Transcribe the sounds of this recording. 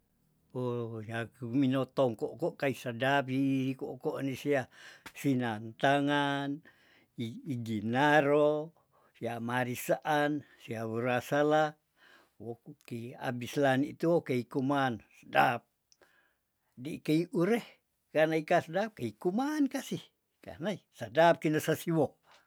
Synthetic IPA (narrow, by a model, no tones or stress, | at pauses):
ojakuminot̪oŋkoʔkoʔkaisadap̬ikoʔkoʔnisiasinant̪aŋan | iiɡinaɾo | siamaɾisaʔansiaβəɾasala | woukia̰bislanit̪uokeikumansadap̚ | dikeiʔuɾeh | kanaikasdap̚keikumankasih | ka̰naisadap̚kinasasiwo